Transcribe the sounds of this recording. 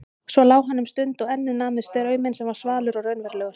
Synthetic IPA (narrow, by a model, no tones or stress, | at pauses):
svɔlaːwɦanːʏmst̪ʏnt̪ɔɣɛnːɪnaːmɪðst̪œɾœːɥmɛnsɛmvaɾ̥svaːlʏɾɔɣrœɥnvɛɾlɛːɣʏɾ̥